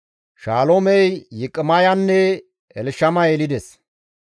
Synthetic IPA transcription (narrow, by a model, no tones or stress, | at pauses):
ʃaːlomɛjjɪkʼːɪmɐjɐnːɛ | ɛlʃɐmɐjɛlɪd̪ɛs